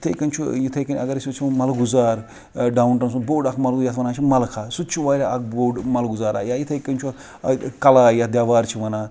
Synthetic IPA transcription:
it̪ʰɐjkɐnt͡ʃʰujit̪ʰɐjkɐnʲɐ̰ɡɐɾsʲit͡ʃʰimɐlɡuzaːɾ | ɖaːuɳʈɐnsuboːɖɐkʰmɐlɡjat̪ʰʋɐnaːt͡ʃʰimɐlkʰaːsud̪̚t͡ʃʰiʋaːɾʲaɐk̚ʰboːɖmɐlɡuzaːɾa̰ːjajit̪ʰɐjkːɐnʲt͡ʃʰu | kɐlaːjad̪ʲjaːʋaːɾt͡ʃʰiʋɐnaː

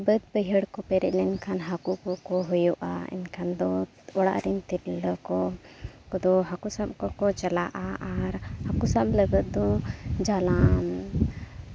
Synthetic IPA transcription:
bəd̪̚pəɦəɽkɔpɛɾɛʔlɛnkʰanɦakukɔkɔɦɔjɔʔa̰ɛ̰nkʰand̪ɔ | ɔɽa̰ʔɾint̪iɾləkɔkɔd̪ɔɦakusab̚kɔkɔt͡ʃalaʔaaɾhakusabləɡət̪̚d̪ɔ̃d͡ʒalam

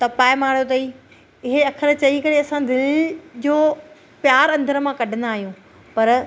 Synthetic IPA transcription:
t̪ɐpaːɪmaːɽjot̪̬ɐiː | ɪɦeɐkʰəɾt͡ɕɐikɐɽeɐsãd̪ɪlɪd͡ʑoː | pjaːɾɐ̃nd̪əɾəmãkɐɖʱə̃nd̪aːɦijũ | pɐɾ

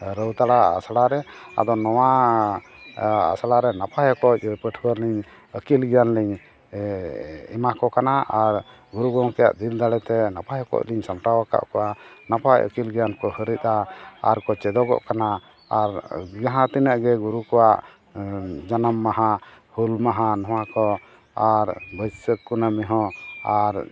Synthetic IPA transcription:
ɾəwt̪aɽaa̰saɽaɾɛa̰d̪ɔnɔwa | a̰salaɾɛnapʰajɔkɔc̚pəʈʰbəɾliɲ | əkilɡɛjanliɲ | ɛmakɔkanaʔaɾ | ɡuɾuɡɔŋkɛja̰ʔd̪ild̪aɽɛt̪ɛnapajɔkɔ̰c̚liɲsampawaka̰ʔkɔwanapajə̰kilɡjankɔhəɾit̪̚aa̰ɾkɔt͡ʃɛd̪ɔɡɔ̰ʔkana | aɾɡaɦãt̪inəʔɡɛɡuɾukɔwaʔ | d͡ʒanamːaɦã | hulmaɦanɔ̃wakɔ | aɾbəjsəkːunamɛɦɔ̃aɾ

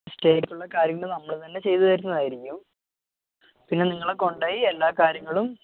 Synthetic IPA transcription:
sʈe̞ːkːuɭːɐkaːɾjɐŋːɐɭɨnɐmːɐɭt̪ɐnːe̞t͡ɕe̞jt̪ut̪ɐɾunːɐðaːjiɾikʲːum | pinːeniŋːɐɭeko̞ɳɖaːjielːaːkaːɾjɐŋːɐɭum

